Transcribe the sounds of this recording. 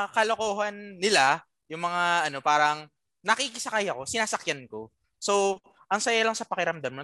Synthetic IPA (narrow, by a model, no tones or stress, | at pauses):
kɐlokoːɦɐnːɪla | jʊŋmɐŋaʔɐno̞paːɾɐŋ | nɐkikɪsɐkajɐko̞sɪnaːsɐkjanko̞ | so̞ | ʔɐŋsɐjalɐŋsɐpɐkɪɾɐmd̪ammo